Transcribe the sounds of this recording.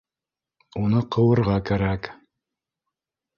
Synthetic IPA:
unɤqʰɤ̆wɤ̆ɾʁɑkæɾæk

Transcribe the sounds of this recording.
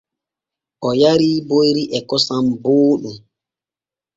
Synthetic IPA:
ʔɔjaɾiːbojɾiʔɛkɔsamboːɗum

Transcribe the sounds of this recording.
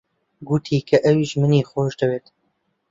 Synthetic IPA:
ɡut̪ʰiːkʰɐʔɐwiʒmɨniːxoːʒd̪ɐweːt̪

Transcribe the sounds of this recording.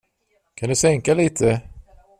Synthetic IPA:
kʰand̪ɵsɛŋkaliːt̪ʰə

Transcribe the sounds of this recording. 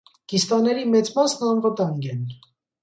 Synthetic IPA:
ɡ̥ist̪ɑnɛɾimɛt͡smɑsnəɑnvət̪ɑŋɡɛn

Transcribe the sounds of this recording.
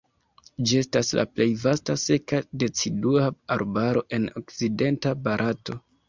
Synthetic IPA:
d͡ʒie̞stasla̰ple̞jvastase̞kade̞t͡siduaaɾbaɾo̞ʔe̞no̞kt͡side̞ntabaɾʔato̞

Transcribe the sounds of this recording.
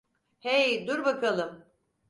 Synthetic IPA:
hejd̪uɾbakʰalˠɯm

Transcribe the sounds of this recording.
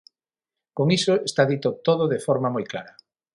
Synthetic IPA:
koŋisoest̪aðit̪ot̪oð̞ʊðefɔɾmɐmojkla̰ɾɐ

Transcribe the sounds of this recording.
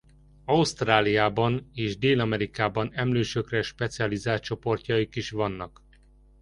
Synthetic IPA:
ɒust̪raːlijaːbɒneːʒd̪eːlɒmɛɾikaːbɒnɛmløːʃøkrɛʃpɛt̪siɒlizaːtt͡ʃo̞po̞rcɒjikiʃʋɒnːɒk

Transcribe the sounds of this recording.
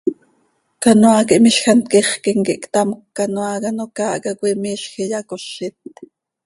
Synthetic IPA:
kanoaːkiʔmiʃxɑnt̪̚kiχkiŋkiʔkt̪ɑmkːanoaːkɑnokɑːʔkɑkʷimiːʃxijɑkoʃːit̪̚

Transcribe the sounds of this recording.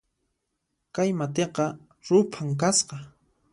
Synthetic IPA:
kajmat̪eqɑ | ɾʊpʰaŋk̬asqɑ

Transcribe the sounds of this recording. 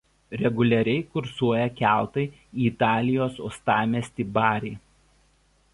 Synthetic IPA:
ɾʲɛɡʊlʲɛɾʲɛɪkʊɾsuɔjɛkʲæˑlˠt̪ɐɪ | iːt̪ɑːlʲɪjoːsɔ̰st̪ɑːmʲɛsʲt̪ʲibɑːɾʲɛɪ

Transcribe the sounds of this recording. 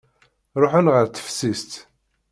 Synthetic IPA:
ɾˤoħʊnʁəɾt̪ːə̥fsist̪

